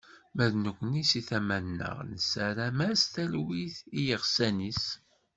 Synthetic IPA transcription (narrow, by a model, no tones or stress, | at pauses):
mæðnukʷːnisiθæmænːə̰ʁnəsæɾæmæst̪ælwiθijəʁsænis